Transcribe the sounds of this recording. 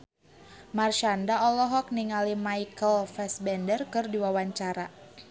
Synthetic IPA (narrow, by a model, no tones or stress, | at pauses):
marʃandaɔlɔɦɔk̚niŋalimaikəlfɛsbɛndərkɨrdiwawaɲt͡ʃaɾa